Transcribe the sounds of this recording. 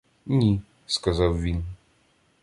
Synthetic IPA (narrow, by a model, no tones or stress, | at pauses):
nʲi | skazawvʲin